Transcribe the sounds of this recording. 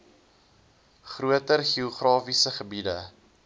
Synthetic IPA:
χruətərχioχrɑːfisəχəbidə

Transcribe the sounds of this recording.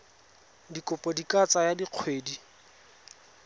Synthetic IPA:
dikʼʊpʼɔdikʼat͡sʼajadiq͡χʰweːdi

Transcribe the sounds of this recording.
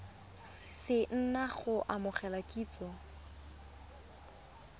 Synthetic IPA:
sɪn̩naχʊʔamʊχɛlakʼiːt͡sʼɔ

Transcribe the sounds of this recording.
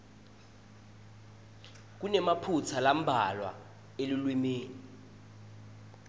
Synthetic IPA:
k̬unɛmapʰut͡sʰalam̩bʱalwa̰ | eliulwimeːni

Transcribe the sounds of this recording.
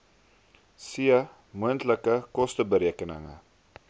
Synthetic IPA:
siə | muəntləkəkɔstəbəɾiəkənə̰ŋə̰

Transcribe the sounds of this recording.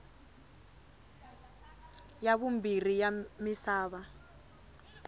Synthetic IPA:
jaβumbir̤ijamisaːβa

